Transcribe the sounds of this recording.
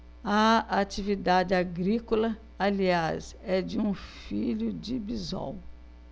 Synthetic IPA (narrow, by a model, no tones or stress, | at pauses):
ɐat͡ʃivid̪ad͡ʒɪaɡɾikolɐ | aliasɛd͡ʒɪũfiʎʊd͡ʒɪbizɔ̰w